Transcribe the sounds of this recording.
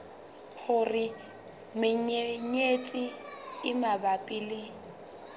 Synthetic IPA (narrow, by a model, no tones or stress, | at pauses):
χʊrɪ | mɪɲeɲet͡ɬʼɪɪmabapʼɪleŋ̩